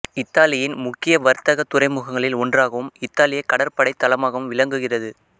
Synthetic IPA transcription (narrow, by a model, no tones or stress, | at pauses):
ɪt̪ːaːlɪjɪnmʊkːɪjɐʋɐɾt̪ɐɣɐt̪ːʊrɐɪmʊɣɐŋɡɐɭɪlɔndraːɣɐʋɯmɪt̪ːaːlɪjɐɪkːɐɽɐɾpɐɽɐɪt̪ːɐlɐmaːɣɐʋɯmʋɪlɐŋɡɯɣɪrɐðɯ